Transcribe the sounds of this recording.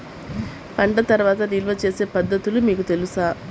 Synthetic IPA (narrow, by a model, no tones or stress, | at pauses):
pɐɳɖɐt̪ɐɾʋaːt̪ɐnilʋɐt͡ʃe̞ːse̞ːpɐd̪ːɐt̪ulumiːkut̪e̞lusaː